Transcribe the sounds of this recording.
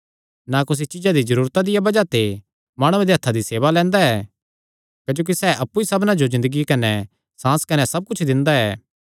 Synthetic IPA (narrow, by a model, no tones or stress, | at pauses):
nakʊs̬it͡ʃɪd͡ʒad̪izɐɾuːɾt̪ad̪ɪjabɐd͡ʒat̪e | maːɽ̃uẽd̪eɐt̪ʰːad̪iseːʋalɛ̃ːnd̪aɛː | kɐd͡ʒoːk̬isɛːʔɐpːuisɐbnad͡ʒozɪ̃nd̪əɡikɐnɛ | sãːskɐnɛsɐb̚kʊt͡ʃʰd̪ɪ̃nd̪aɛː